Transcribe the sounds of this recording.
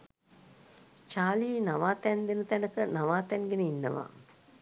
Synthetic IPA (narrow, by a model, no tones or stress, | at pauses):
t͡ʃaːliːnaʋaːt̪ɛnd̪enət̪ænəkənaʋaːt̪ɛŋɡenəinːəʋa̰ː